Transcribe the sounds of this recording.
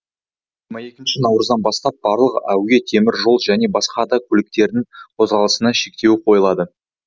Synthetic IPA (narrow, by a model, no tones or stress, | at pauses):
ʒɪɾmɑje̞kʲɪnʃɪnɑwɾəzd̪ɑnbɑst̪ɑp̚b̥ɑɾlˠəqæ̰wɡʲe̞t̪ʰe̞mɪɾʒo̞lˠʒæne̞bɑsqɑd̪ɑkʲʰɵlɪk̚t̪e̞ɾd̪ɪŋqʰo̞zʁɑlˠəsənɑʃe̞kt̪e̞wɪqʰo̞jəlˠɑd̪ə